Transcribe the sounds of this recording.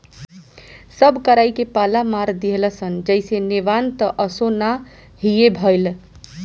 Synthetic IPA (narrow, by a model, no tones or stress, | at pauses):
səbkəɾajkepalamaɾd̪iɦeləsənd͡ʒəjseneʋant̪əʔəsona | ɦiebʱəjl